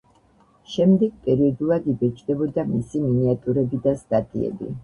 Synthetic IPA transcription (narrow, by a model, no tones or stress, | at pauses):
ʃɛmd̪ɛɡ̚pʼɛɾiɔd̪ulˠad̪ibɛt͡ʃʰʼd̪ɛbɔd̪amisiminiat̪ʼuɾɛbid̪ast̪ʼat̪ʼḭɛ̰bḭ